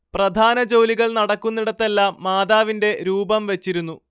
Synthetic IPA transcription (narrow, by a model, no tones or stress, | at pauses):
prɐd̪ʱaːnɐd͡ʑowliɣɐɭnɐɽɐkːunːiɽɐt̪ːelːaːmːaːd̪aːʋinde̞ɾuːbɐmʋet͡ɕːiɾunːu